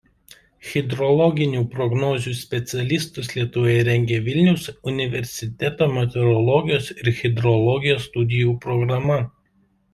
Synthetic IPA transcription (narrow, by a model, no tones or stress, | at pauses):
xʲɛd̪ɾɔlˠɔɡʲɪnʲuːpɾɔɡnɔːzʲuːsʲpʲɛt̪sʲɛlʲɪst̪ʊslʲiɛt̪ʊʋoːjɛɾʲɛŋʲɡʲeːʋʲɪlʲnʲɛʊsʊnʲɪʋʲɛɾʲsʲɪt̪ʲɛt̪oːmʲɛt̪ʲɛɾɔlˠɔɡʲɪjoːsɪɾxʲɛd̪ɾɔlˠɔɡʲɪjoːst̪ʊd̪ʲɪjuːpɾɔɡɾɐmɐ